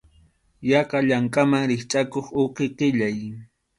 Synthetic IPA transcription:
jɑqɑʎaŋkʼamaŋɾɪχt͡ʃʼakoχʊqɪqɪʎaj

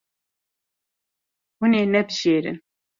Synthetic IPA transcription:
huneːnɛbʒeːɾɨ̰n

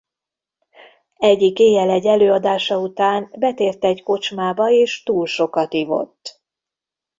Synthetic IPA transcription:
ɛɟːikeːjɛlɛɟːɛløːɒd̪aːʃɒut̪aːnbɛt̪eːrt̪ɛɟko̞t͡ʃmaːbɒeːʃt̪uːlʃo̞kɒt̪ivo̞̰t̪ː

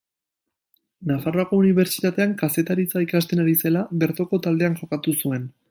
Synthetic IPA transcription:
nafaro̞ako̞uniβ̞e̞ɾt͡ʃi̥t̪at̪e̞aŋkase̞t̪aɾit͡saikast̪e̞naɾise̞laβe̞ɾt̪o̞ko̞t̪ald̪e̞aŋʝo̞kat̪usue̞n

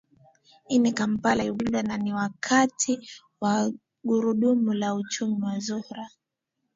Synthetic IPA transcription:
inikam̩palaiɓuɗananiwakʰatʰi | wa | ɠuɾuɗumulaut͡ʃumiwazuhɾa

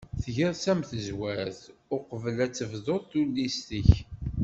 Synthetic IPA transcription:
θʝəɾsæmθəzwæɾθʊqəvəlæt͡sːəvðoðˤθulːist̪əç

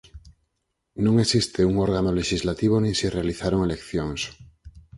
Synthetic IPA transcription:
nõŋe̞sist̪e̞uŋo̞ɾɣano̞le̞ʃizlat̪iβ̞o̞nĩsire̞aliθaɾoŋe̞le̞kθjo̞ŋs

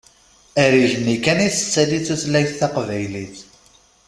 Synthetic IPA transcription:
æɾiʝənːikæniθə̥t͡sːæd̪iθuθlæjθθɑqvæjliθ

